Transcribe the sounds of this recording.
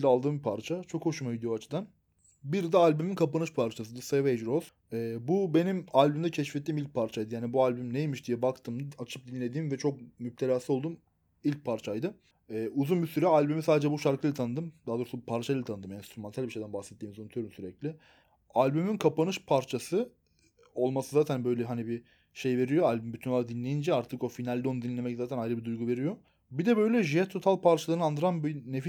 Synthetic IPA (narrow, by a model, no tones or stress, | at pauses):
d̪ʲalˠd̪ɯːmbipʰaɾt͡ʃʰat͡ʃʰo̞kho̞ʃumaid̪ijoat͡ʃʰɯd̪an | biɾd̪ɛalʲbyminkʰapanɯʃpʰaɾt͡ʃʰas̬ɯd̪ɯsevejd͡ʒɾoz̥ | ɛbube̞nimalʲbymd̪ɛcʰɛʃfɛt̪ːiːmilc̚pʰaɾt͡ʃʰajd̪ɯjaːnibualʲbymnejmiʃd̪ijɛbakt̪ʰɯmat͡ʃʰɯp̚d̪inlʲe̞d̪iːmvɛt͡ʃʰo̞k̚myp̚t̪ʰelʲaːsɯo̞lˠd̪um | ilʲc̚pʰaɾt͡ʃʰajd̪ɯ | ɛːuzunbisyɾɛalʲbymisaːd̪ed͡ʒɛbuʃaɾkʰɯlʲɯt̪ʰanɯd̪ɯmd̪aːd̪oɾsupʰaɾt͡ʃʰalʲt̪ʰanɯd̪ɯmjɛnst̪ɾumant̪ʰælʲbiʃe̞jd̪ænbahsɛt̪ʰːiːmizonut̪ʰyjoɾumsyɾɛclʲɪ | alʲbymynkʰapanɯʃpʰaɾt͡ʃʰasɯ | o̞lˠmasɯzaːt̪ʰænbø̞jlʲɛɦanibi | ʃe̞jve̞ɾijoalʲbymbyt̪ʰynolˠaɾad̪inlʲe̞jind͡ʒɛaɾt̪ʰɯko̞finalʲd̪o̞nd̪inlʲemɛczaːt̪ʰænajɾɯbid̪ujɡuve̞ɾijo̞ | bid̪ɛbø̞jlʲɛʒiɛt̪ʰːo̞t̪ʰalˠpʰaɾt͡ʃʰalˠɯɾɯnɯand̪ɯɾanbinefi